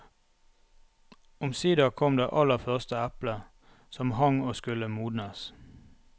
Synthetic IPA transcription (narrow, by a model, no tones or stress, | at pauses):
ʊmsiːd̪ɑːkʰɔmd̪ḛːʔɑləfœʁst̪əæplə | sɔmhɑŋoːskʉləmuːd̪nəs